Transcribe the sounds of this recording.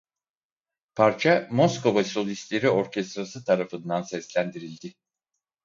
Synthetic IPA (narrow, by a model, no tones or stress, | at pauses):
pʰaɾt͡ʃʰamosko̞vaso̞lʲist̪lʲe̞ɾio̞ɾcʰɛst̪ɾasɯt̪ʰaɾafɯnd̪ansɛslʲænd̪iɾilʲd̪ɪ